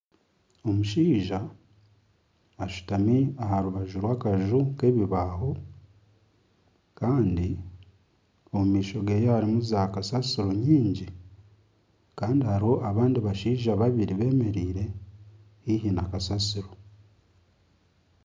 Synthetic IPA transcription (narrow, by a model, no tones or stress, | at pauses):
o̞muʃiːʒa | ʃu̥tamiahaɾuβaʒuɾwaːkaʒuke̞βiβaːɦo̞ | kaːndi | o̞mumiːʃo̞ɡe̞ːjehaɾimuzakasasiɾo̞ɲiːɲɟi | kaːndihaɾiho̞ʔaβaːndiβaʃiːʒaβaβiɾiβe̞ːme̞ɾiːɾe̞ | hihinakasasiɾo̞